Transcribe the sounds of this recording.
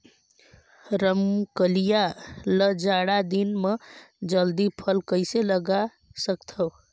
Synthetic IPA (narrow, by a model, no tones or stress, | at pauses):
ɾəmkəlijaləd͡ʒaɽad̪inme | d͡ʒəld̪ipʰəlkəɪseləɡa | səkt̪ʰəw